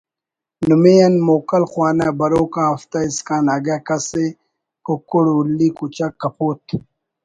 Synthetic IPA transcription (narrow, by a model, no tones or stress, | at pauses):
numejɐnmoːkɐlxwaːnabɐɾoːkãɐft̪aiskaːnɐɡakɐse | kokuɽulːiːkut͡ɕakːɐpʰoːt̪